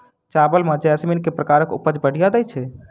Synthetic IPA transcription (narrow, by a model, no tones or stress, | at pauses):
t͡ʃabəlmed͡ʒɛsminkepɾəkaɾəkṵpəd͡ʒbəɽ̤ʱijad̪əjt͡ʃʰɛ